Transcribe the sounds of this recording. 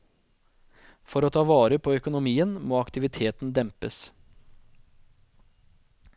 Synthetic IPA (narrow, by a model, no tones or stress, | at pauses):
fɔɾoːt̪ʰɑːʋɑːɾəpʰoːœkʊnʊmiːənmoːɑkt̪ɪʋɪt̪ʰeːt̪n̩d̪ɛmpəs